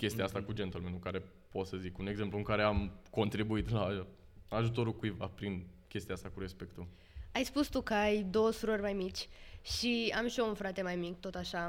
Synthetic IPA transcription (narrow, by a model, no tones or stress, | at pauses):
kʲe̞st̪iaast̪akud͡ʒet̪olmenuŋkaɾe̞ | po̞t̪səzikune̞ɡze̞mpluɨŋkaɾe̞amko̞nt̪ɾibuit̪la | aʒut̪o̞ɾukuiva̰pɾinkʲe̞st̪ijaast̪akuɾe̞spe̞kt̪u | ajspust̪ukəajd̪o̞wəsuɾərʲmajmit͡ʃʲʃiamʃiounfɾat̪e̞majmik̚t̪o̞t̪aʃa